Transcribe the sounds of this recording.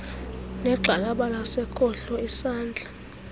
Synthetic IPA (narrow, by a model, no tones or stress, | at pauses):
nɛǁʱalaɓalasɛkʰɔɬɔisaːnd͡ɮʱḁ